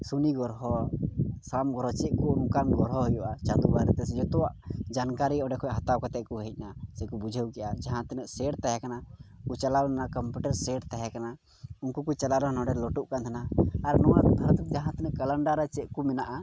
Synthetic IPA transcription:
suniɡɔɾɦɔ | samɡɔɾɔt͡ʃɛʔ̚kuunukanɡɔɾɦɔɦujɔʔat͡ʃad̪ubaɾɛt̪ɛsɛd͡ʒɔt̪ɔwaʔd͡ʒankaɾiɔɖɛkʰɔjɦat̪awkɔt̪ɛʔ̚kuɦɛc̚ˀnasɛkubud͡ʒʱəwkɛʔad͡ʒaɦãt̪ɛnəʔsɛɽt̪ajakanakut͡ʃalawanakɔmpuʈəɾsɛʈt̪ajakana | unkukut͡ʃalaɾɔnɔɖɛlɔʈuʔkant̪ʰanaːɾnɔwat̪b̪ʱaɾt̪it̪̚d͡ʒaɦãt̪ɛnəʔkələɳɖaɾɛt͡ʃɛʔ̚kumɛnaʔa

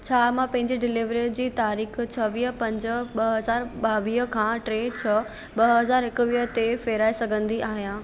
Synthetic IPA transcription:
t͡ɕʰaːmãpɐ̃ɦɪ̃ɲd͡ʑiɖɪliʋɾid͡ʑiːt̪aːɾiːxt͡ɕʰɐʋiːɦpɐ̃ɲd͡ʑ̆ɓɐɦɐzaːɾɓaːʋiːɦəkʰãːʈɾeːt͡ɕʰɐ | ɓɐɦɐzaːɾɪkʊʋiːɦət̪efeːɾaːesɐɡʱə̃nd̪iaːɦijãː

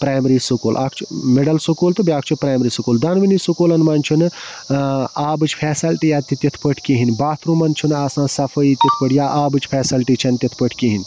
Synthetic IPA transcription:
pɾaːjmɾisukoːlʔaːkʰt͡ʃʰumeɖɐlsukoːlt̪ɨbiaːkʰt͡ʃʰupɾaːjmɾisukoːld̪ɐnʋinisukoːlɐnmɐnt͡ʃʰunɨ | aːbɨt͡ʃʰpʰɛːsɐlʈijaːt̪it̪ʲit̪ʰpəʈʰkiɦinbaːt̪ʰɾumɐnt͡ʃʰunaːsãːnsɐpʰəit̪ʲit̪ʰpəʈʰjaːʔaːbɨt͡ʃʰpʰɛːsɐlʈit͡ʃʰɐnt̪ʲit̪ʰpəʈʰkiɦinʲ

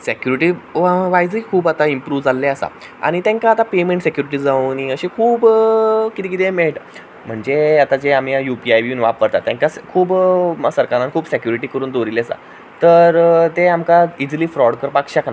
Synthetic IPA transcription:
sekjuɾiʈiːʋajd͡zikʰuːbat̪aimpɾuːʋd͡zalːeasa̰ | a̰ɽ̃it̪jãŋkaːt̪apemeɳʈsekjuɾiʈ̬iːd͡zauniəɕikʰuːbkit̪ik̬it̪emeɭʈ | m̤əɳd͡zeat̪ad͡ʑeam̤iajupiajʋjuːnʋa̰pːəɾt̪at̪ːjãŋkakʰuːbsəɾkaɾan̚kʰuːbsekjuɾiʈiːkəɾuːnd̪oɾilasa̰ | t̪əɾt̪eamkaid͡zliːfɾɔɽkəɾpakɕakna

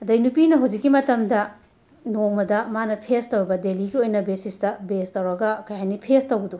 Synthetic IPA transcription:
ɐdɐjnupinɐɦɐwd͡ʒikːimɐtɐmdɐ | noŋmɐdɐmanɐpʰestɐwɾbɐdeliɡiojnɐbesistɐbestɐwɾɐɡɐkɐjanipʰestɐwɡɐdu

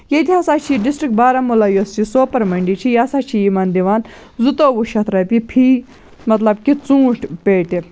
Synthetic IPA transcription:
jed̪ʲiɐsaːt͡ʃʰiɖisʈɾik̚baːɾɐmulaːjost͡ʃʰisoːpɐɾmɐɳɖit͡ʃʰijaːsaːt͡ʃʰijimɐnd̪iʋaːn | zut̪oːʋuʃɐt̪ʰɾɐpipʰiː | mɐt̪lɐbkit͡sũːʈʰpeːʈ̪i

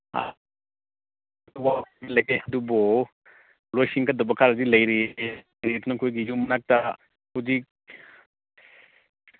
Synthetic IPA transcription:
a̰ | wakɡilɐjkeɐdubɔ | lojsiŋkadɐbɐkʰaɾɐzilɐjɾi | ɾitnɐkʰojɡijumɐnak̚ta | huzik̚

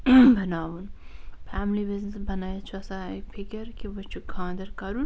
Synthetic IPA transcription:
bɐnaːʋunpʰaːmlibiznesbɐnaːjet͡ʃʰuɐsaepʰikɐɾkibɐt͡ʃʰukʰãːnd̪ɐɾkɐɾun

